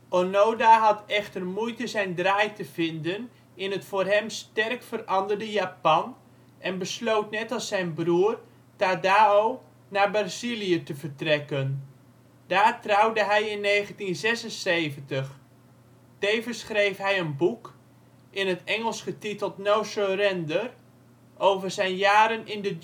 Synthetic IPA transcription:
onowdaɦɑtɛχtərmujtəzɛjndraːjtəvɪndən | ɪnɦətfʊːrɦɛmstɛrkfərɑndərdəjaːpɑn | ʔɛnbəslowtnɛtɑlˠsɛjnbruːr | tadaːow | naːbarzilijətəvərtrɛkən | d̥aːrtrɑwdəɦɛjɪnːejχəntinzɛsənsejvəntəχ | tejvənsχrejfɦɛjənbuk | ʔɪnɦətɛŋəlˠsχətitəlˠtnowsorɛndər | ʔowvərzɛjnjaːɾənɪndə

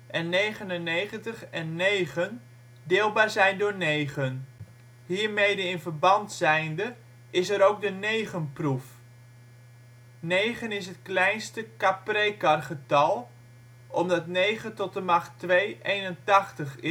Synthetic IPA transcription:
ʔɛnːejχənənejχəntəχɛnːejχən | dɪːlˠbaːɹzɛjndʊːɹnejχən | ɦiːɹmejdəɪnvəɹbɑntsɛjndə | ɪsəɾowk̚dənejχənpruf | nejχənɪs̬ɦət̚klɛjnstəkaprejkɑrχətɑlˠ | ʔɔmdɑtnejχətɔt̚əmɑχtʋejʔejnəntɑχtəχɪ

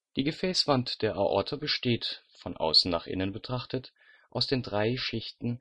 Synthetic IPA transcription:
d̥iːɡəfɛːsv̥antd̥eːɐʔa̰ʔɔ̰ɐtʰɐbəʃteːtfɔnʔa̰ʊsn̩na̰ːχʔɪ̰nənbətʁ̥aχtət | ʔaʊsd̥eːndʁaɪʃɪçtn̩

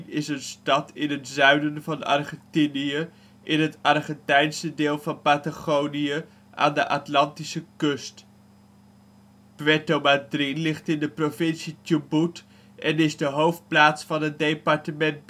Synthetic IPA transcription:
nɪsənstɑtɪnənzœɥnənvɑnɑ̰ɹχɛntiniə | ʔɪnɦətɑɹχɛntɛjnsədeːlˠvɑnpataχowniə | ʔa̰ːndəʔatlɑntisəkɵst | pʋɛtomadrinlɪχtɪndəprovɪnsitubut | ʔɛnɪzdəɦowft̚plaːtsfɑnɦət̚dejpɑɹtəmɛnt

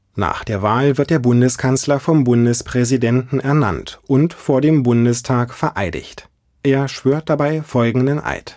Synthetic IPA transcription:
na̰ːχd̥eːɐvaːlvɪɐt̚d̥eːɐbʊndəskʰanslɐfɔmbʊndəspʁ̥ɛzidɛntn̩ɛɐna̰ntʔʊntfoːɐdeːmbʊndəstʰaːkfɛɐʔaɪdɪ̰çt | ʔeːɐʃv̥øːɐt̚d̥abaɪfɔlɡŋ̩dənʔa̰ɪt

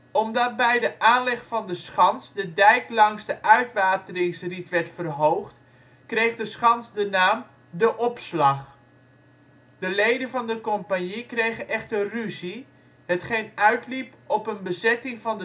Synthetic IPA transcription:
ɔmdɑt̚bɛjdəʔaːnlɛχfɑndəsχɑnsdədɛjklɑŋzdəʔœɥtʋaːtənɪŋsritʋɛrtfərɦowχt | krejχdəsχɑnzdənaːm | dəʔɔpslɑχ | d̥əlejdənvɑndəkɔmpanikrejɣəʔɛχtəryzi | hətχejnœɥtlipɔpənbəzɛtɪŋvɑndə

